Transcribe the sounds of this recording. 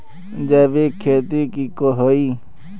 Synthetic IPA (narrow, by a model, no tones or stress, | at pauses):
d͡ʒebikʰeːt̪ikikoɦoiː